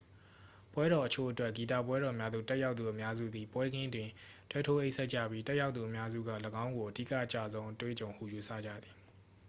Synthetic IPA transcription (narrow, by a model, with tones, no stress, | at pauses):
pwɛ˦ɾɔ˨ʔət͡ɕʰo˦˨ʔətwɛ˦ʔɡi˨ta˦˨pwɛ˦ɾɔ˨mja˦d̪ṵ˦˨tɛ˦ʔja˦ʊt̪ːu˨ʔəmja˦zṵ˦˨d̪i˨pwɛ˦ɡɪ̃˦dwɪ̃˨ | twɛ˦tʰo˦ʔe˦ʔsɛ˦t̚t͡ɕä̰˦˨bji˦tɛ˦ʔja˦ʊt̪θu˨əmja˦zṵ˦˨ɡa̰˦˨ləɡã˦ʊ̃ŋɡo˨ʔədḭ˦˨kä̰˦˨ʔt͡ɕa̰˦˨zõ˦ʊ̃ʔətwḛ˦˨t͡ɕõ˨ʊ̃hṵ˦˨ju˨˦sʰä̰˦˨d͡ʑa̰˦˨d̪i˨